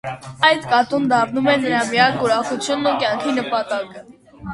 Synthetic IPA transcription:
ɑjt̪kɑt̪und̪ɑɾnumɛnəɾɑmijɑkuɾɑχut͡sʰjunːukjɑŋkʰinəpɑt̪ɑkə

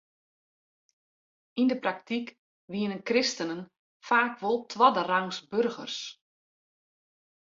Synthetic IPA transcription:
indəprak̚tik | ʋiənənkrɪstənən | faːkʋolˠtʰwɔdəraŋsbɵrɣə̰rs

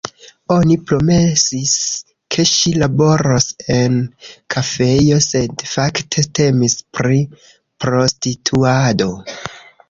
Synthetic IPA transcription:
o̞nipɾo̞me̞sis | kʰe̞ʃilabo̞ɾose̞nkʰafe̞jo̞se̞dfaktʰe̞te̞mispɾi | pɾo̞stitʰuado̞

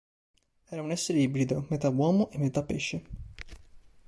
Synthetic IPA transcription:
ɛːɾaunɛsːeɾeibɾid̪omet̪awwɔːmoʔemːet̪apːeʃːe

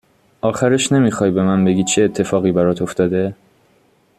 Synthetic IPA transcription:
ʔɒːxæɾeʃne̞miːxɒːjbe̞mænbe̞ɡiːd̪̚t͡ʃʰeːt̪ʰːe̞fɒːɣiːbæɾɒːt̪ʰoft̪ɒːd̪e̞

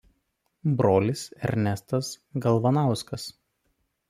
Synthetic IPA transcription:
bɾoːlʲɪsɛ̰ɾʲnʲɛst̪ɐs | ɡɐlˠʋɐnɑˑʊskɐs

